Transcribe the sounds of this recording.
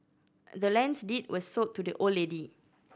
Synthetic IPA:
dəlɛ̃nsditwɔsːotʰːudəʔoledi

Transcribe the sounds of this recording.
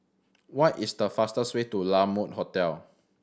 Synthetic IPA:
wɔtisdəfastəswetulamot̚hotɛl

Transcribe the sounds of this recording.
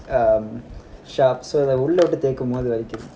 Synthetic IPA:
ʃaːpsoːɐðɐʊɭːɐʋɪʈːɯt̪eːkːɯmpoːðɯʋɐɾɪkʲːɪɾɯ

